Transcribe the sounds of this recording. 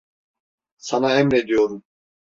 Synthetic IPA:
sɑnaɛmɾe̞d̪ijo̞ɾum

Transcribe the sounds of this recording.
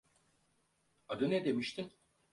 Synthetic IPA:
ad̪ɯnɛd̪e̞miʃt̪ʰin

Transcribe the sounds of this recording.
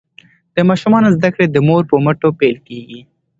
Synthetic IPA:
d̪̥əmɑʃumɑnozd̪akɽed̪əmoɾpəmaʈopelkeɡi

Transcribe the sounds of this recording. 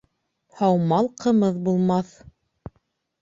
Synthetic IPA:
hɑwmɑlˠqʰɤ̆mɤðbulˠmɑθ

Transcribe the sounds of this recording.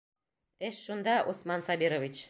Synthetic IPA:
eʃːund̪ɑʔosmɑnsɑbiɾovʲit͡ɕ

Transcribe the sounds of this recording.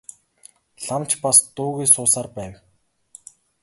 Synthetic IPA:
ɬamt͡ɕpast̪ʊːɣiːsʊːsaːrpæːw

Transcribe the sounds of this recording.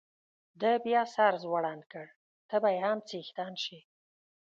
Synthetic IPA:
d̪əbjɑsɑɾzwaɽɑnkəɽ | t̪əbajhamt͡sixt̪ɑnʃi

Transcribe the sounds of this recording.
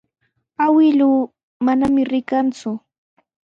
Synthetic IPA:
awɪluː | manamɪɾɪkant͡sʊ

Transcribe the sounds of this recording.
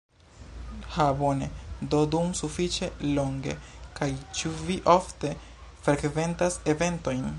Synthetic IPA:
habonedodumsufit͡ʃe̞lo̞ŋɡe̞̰kajt͡ʃuviʔo̞fte̞ | fɾekve̞ntase̞ve̞nto̞jn

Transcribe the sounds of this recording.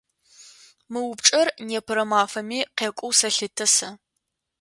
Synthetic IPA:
mɨwʊpʈ͡ʂʼɐrneːpʰɨɾɐmaːfɐmiːqeːkʷʼʊwsɐɬɨtʰɐsɐ

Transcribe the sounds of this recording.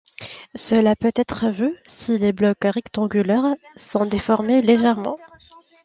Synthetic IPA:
səlapøt̪ɛt̪χəvøsileblɔkʁɛkt̪ɑ̃ɡʲylɛʁsɔ̃d̪efɔʁmeleʒɛʁmɑ̃

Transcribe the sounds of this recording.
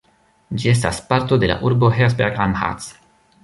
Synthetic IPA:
d͡ʒie̞s̬ta̰spaɾto̞de̞la̰ʔuɾbo̞ɦesbeɡanha̰s

